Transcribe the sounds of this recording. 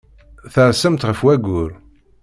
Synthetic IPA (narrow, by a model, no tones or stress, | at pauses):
θəɾsəmt̪ʁəfwæɡʊɾ